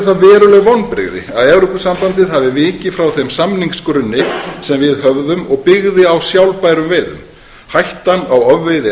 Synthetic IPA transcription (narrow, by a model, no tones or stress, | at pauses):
θaðvɛːɾʏlɛɣvɔwnpɾɪ̰ɣðɪ̰aðɛvɾʏpʏsampant̪ɪð̥ɦavɪvɪːcɪfɾawθɛmsamniŋkskɾʏnːɪsɛmvɪðɦœvðʏmɔɣpɪɣðɪawsjawlpaːjɾʏmveːjðʏ̰m | hajht̪anawœvːeðɪ